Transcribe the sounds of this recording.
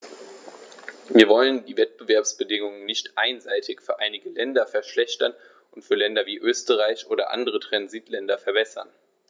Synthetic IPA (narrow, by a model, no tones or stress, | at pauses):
viːɐvɔləndiːvɛt̚b̥əvɛɐpsb̥ədɪŋʊŋənnɪçtʔaɪnzaɪtɪçfyːɐʔaɪnɪɡəlɛndɐfɛɐʃlɛçtɐn | ʔʊntfyːɐlɛndɐviːʔøːstəʁaɪçʔoːɾɐʔa̰ndəʁ̞ətʁ̥anziːtʰlɛndɐfɛɐbɛsɐ̰n